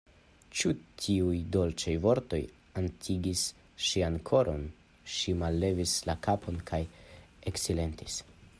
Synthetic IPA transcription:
t͡ʃutʰiujdo̞lt͡ʃajvo̞ɾto̞̰j | antʰiɡis | ʃiankʰo̞ɾʔo̞n | ʃimalːe̞vislakapʰo̞nkʰaj | eksile̞ntis

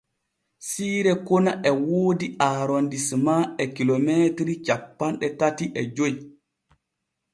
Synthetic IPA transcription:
siːɾɛkɔnaʔɛwoːdiaːɾondismaɛkilometɾit͡ʃapːanɗɛtatiʔɛd͡ʒoj

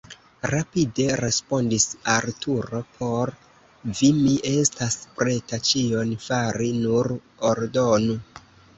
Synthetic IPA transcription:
ɾapide̞ɾe̞spo̞ndisaɾtuɾo̞pʰo̞ɾ | vimiʔe̞staspɾe̞tat͡ʃionfaɾinuɾ | oɾdo̞nu

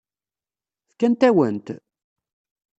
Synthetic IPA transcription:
θkænt̪æwə̰nt̪

